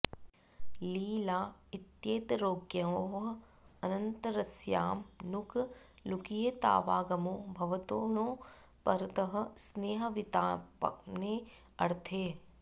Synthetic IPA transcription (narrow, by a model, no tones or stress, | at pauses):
liːlaːɪt̪jeːt̪ɾoːɡjɐoːɦ | ɐnɐnt̪ɾɐsjaːmnukʰ | lukijɐt̪a̰ːʋaːɡɐmoːbʱɐʋɐt̪oːnõː | pɐɾt̪ɐɦɐ̆sneːɦɐ̆ʋɪt̪aːpne | ɐɽt̪ʰeː